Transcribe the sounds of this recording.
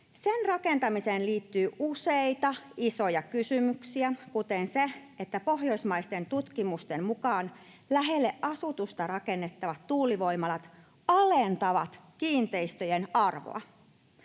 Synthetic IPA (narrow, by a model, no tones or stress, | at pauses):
senrɑke̞nt̪ɑmiseːnliːt̪ːyːʔuseit̪ɑiso̞jɑkysymyksiækut̪e̞nseet̪ːæpo̞hjo̞ismɑist̪e̞nt̪ut̪kimust̪e̞mmukɑːn | læɦelːeʔʔɑsut̪ust̪ɑrɑke̞nːet̪ːɑʋɑt̪tuːliʋo̞imɑlɑt̪ | ɑlent̪ɑʋɑt̪kiːnt̪e̞ist̪øjenɑrʋo̰ɑ̰